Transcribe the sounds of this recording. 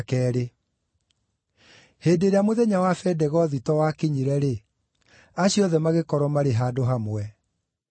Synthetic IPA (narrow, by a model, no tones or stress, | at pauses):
kɛːɾe | heːdeɾeamoðɛɲawafɛdɛɣɔðitɔwakiɲiɾɛɾe | aɕiɔðɛmaɣekɔɾɔmaɾeɦadoɦamwɛ